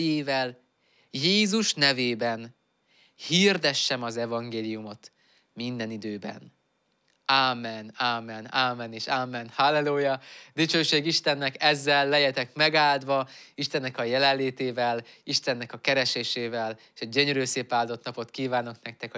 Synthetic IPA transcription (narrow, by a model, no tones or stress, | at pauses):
jeːvɛl | jeːzuʃnɛveːbɛn | hird̪ɛʃːɛmɒzɛvɒŋɡeːlijumo̞t̪ | mind̪ɛnid̪øːbɛ̰n | aːmːɛnaːmːɛnamːɛneːʃamːɛnhalːɛloːjɒd̪it͡ʃøːʃeːɡiʃt̪ɛnːɛkɛzːɛlːɛjɛt̪ɛkmɛɡaːld̪ʋɒiʃt̪ɛnːɛkɒjɛlɛlːeːt̪eːvɛliʃt̪ɛnːɛkɒkɛɾɛʃeːʃeːvɛleːʃɒɟøɲøɾøːseːpaːld̪o̞t̪nɒpo̞t̪kiːvaːno̞knɛk̚t̪ɛk